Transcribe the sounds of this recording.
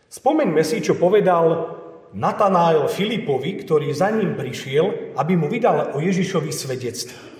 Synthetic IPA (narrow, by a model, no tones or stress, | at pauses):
spɔmɛɲmɛsit͡ʃɔpɔʋɛd̪al | nat̪anaːɛlfilipɔʋikt̪ɔɾiːzaɲiːmpɾiʃɪɛlabimuʋid̪alɔjɛʒiʃɔʋisʋɛɟɛt͡st̪ʋɛ